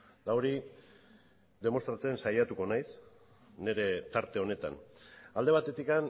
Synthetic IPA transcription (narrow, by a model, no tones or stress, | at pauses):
d̪aoɾi | d̪e̞mo̞st̪ɾat͡se̞nsajat̪uko̞najs | ne̞ɾe̞t̪aɾt̪e̞o̞ne̞t̪a̰nald̪e̞βat̪e̞t̪ikan